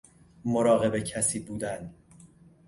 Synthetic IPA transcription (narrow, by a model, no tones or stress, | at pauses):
moɾɒːɣe̞be̞cʰæsiːbuːd̪æn